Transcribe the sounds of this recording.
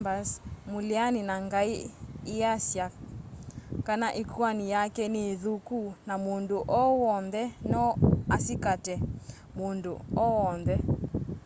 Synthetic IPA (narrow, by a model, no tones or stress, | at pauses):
basmolianinaŋɡaiːasja | kanaʔikwanijakɛneːðukunamondoʔɔwɔnðɛnɔasikatɛ | mondoɔɔnðɛ